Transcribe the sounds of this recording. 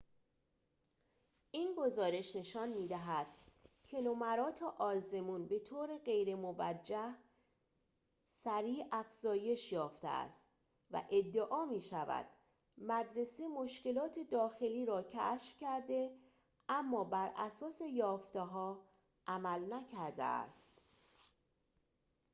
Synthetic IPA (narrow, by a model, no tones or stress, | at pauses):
ʔiːnɡo̞zɒːɾe̞ʃne̞ʃɒːnmiːd̪æɦæd̪̥cʰe̞nomæɾɒːt̪ʰeʔɒːze̞muːnbe̞t̪ʰoːɾeɢe̞jɾe̞movæd͡ʒːæh | sæɾiːʔæfz̥ɒːje̞ʃjɒːft̪ḛæ̰st̪ | væ̰ʔe̞d̪ːeʔɒːmiːʃævæ̰d̪̥ | mæd̪ɾe̞semo̞ʃce̞lɒːt̪ʰe̞d̪ɒːxe̞liːɾɒːcʰæ̰ːʃfcæɾd̪e̞ | ʔæmːɒːbæɾʔæ̰sɒːse̞jɒːft̪eɦɒː | ʔæmælnæcʰæɾd̪ḛæ̰st̪